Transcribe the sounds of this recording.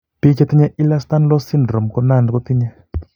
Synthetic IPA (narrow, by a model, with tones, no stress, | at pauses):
pi˦kɛ˦˧t̪i˦ɲɛ˦ʔi˦la˦st̪a˦n˦lɔ˦si˦ndɾɔ˨mkɔ˦na˦˨n˨kɔ˦t̪i˦ɲɛ˦